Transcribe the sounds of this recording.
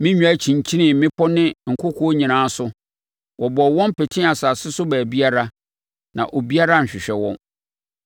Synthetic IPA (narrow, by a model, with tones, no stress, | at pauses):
mɪ̃˦ɲᶣ˦æ˦t͡ɕʰĩ˨ɲ˨t͡ɕʰi˦nɪ̃˨mɪ̃˦pʰɔ˦nɪ̃˦ŋ̩˨kʰʊ˦kʰɔ˦o˦ɲĩ˨nãː˦sʊ˦ | wɔ˨bɔ˨wɔ̃˦m˦pʰɛ˨tʰɪ̃˦a˨saː˨sɪ˦sʊ˦bæː˨bi˦a˦ɾa˦ | nã̰˨ʔo˨bi˦a˦ɾa˦ɲ̩˨ɕᶣɪ˨ɕᶣɛ˨wɔ̰̃˦n